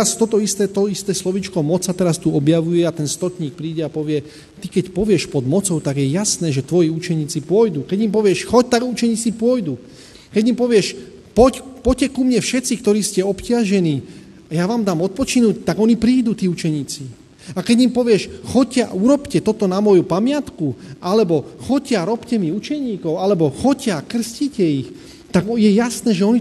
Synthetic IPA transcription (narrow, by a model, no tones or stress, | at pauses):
ast̪ɔt̪ɔist̪ɛːt̪ɔist̪ɛːslɔʋiːt͡ʃkɔmɔt͡sat̪ɛɾast̪uɔbjaʋujɛat̪ɛnst̪ɔt̪ɲiːk̚pɾiːɟɛapɔʋɪɛ | t̪ikɛcpɔʋɪɛʃpɔd̪mɔt͡sɔʊt̪aɡjɛjasnɛːʒɛt̪ʋɔjiut͡ʃɛɲiːt͡sipɔjd̪ukɛɟimpɔʋɪɛʃxɔc̚t̪aɡut͡ʃɛɲiːt͡sipʊɔjd̪u | kɛɟimpɔʋɪɛʃ | pɔcpɔcɛkumɲɛfʃɛtt͡sik̚t̪ɔɾiːscɛɔpcɪaʒɛniː | ajaʋaːmd̪aːmɔt̪̚pɔt͡ʃinuct̪aɡɔnipɾiːd̪ut̪iːut͡ʃɛɲiːt͡si | akɛɟimpɔʋɪɛʃxɔcːɪauɾɔpcɛt̪ɔt̪ɔnamɔjupamɪat̪kuʔalɛbɔxɔcaɾɔpcɛmiut͡ʃɛɲiːkɔʊalɛbɔxɔcakr̩sciːcɛix | t̪aɡjɛjasnɛːʒɛɔni